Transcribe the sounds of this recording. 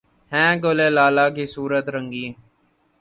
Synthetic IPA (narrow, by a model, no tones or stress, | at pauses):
hɛ̃ːɡoleːlaːlaːk̬isuːɾət̪ɾə̃ŋɡĩː